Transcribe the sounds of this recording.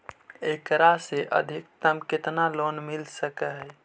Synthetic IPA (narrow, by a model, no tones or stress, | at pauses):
ekɾaseʔə̰d̪ʱɪkt̪əmkɪt̪nalonmilsəkəɦɛ